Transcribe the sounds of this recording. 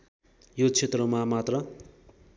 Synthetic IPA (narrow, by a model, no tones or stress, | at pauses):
jot͡sʰet̪rʌmamat̪rʌ